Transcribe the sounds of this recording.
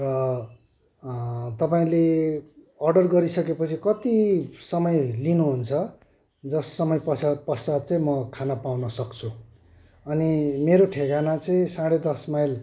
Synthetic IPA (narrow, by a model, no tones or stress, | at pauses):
rʌ | t̪ʌpaĩle | ʌrɖʌrɡʌɾisʌkepʌt͡sʰikʌt̪isʌmʌjlinuɦunt͡sʰʌ | d͡zʌsːʌmʌjpʌsapʌsad̪̚t͡sãĩmʌkʰanapawnʌsʌkt͡sʰu | ʌnimeɾoʈʰeɡanat͡sʌĩsãɽed̪ʌsmajl